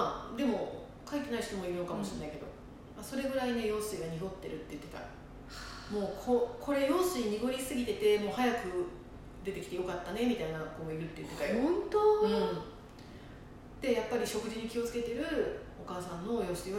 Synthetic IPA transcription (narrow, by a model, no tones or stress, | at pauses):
ad̪e̞mo̞ | kait̪ʲenaiç̥t̪o̞mo̞iɾɯ̟no̞kamo̞ɕinaike̞d̪o̞̰ | aso̞ɾe̞ɡɯ̟ɾaine̞jo̞ːsɨiɡaɲ̟iɡo̞t̪ːe̞̰ɾɯ̟t̪ːe̞jɯ̟t̪ːe̞t̪a̰ | mo̞ːkʰokʰo̞ɾe̞jo̞ːsɨiɲ̟iɡo̞ɾʲisɨɡʲit̪e̞t̪e̞mo̞ːhajakɯ̟ | d̪e̞t̪e̞kʲi̥t̪ejo̞kat̪ːane̞mʲit̪ainakoːɡoiɾɯ̟t̪ːe̞jɯ̟t̪ːet̪ːaiõnt̪oɯ̃ | d̪̥e̞japːaɾʲiɕo̞kɯ̟ʑiɲ̟ikʲio̞t͡sɨ̥ke̞t̪eɾɯ̟ | okaːsãnːo̞jo̞ːsɨi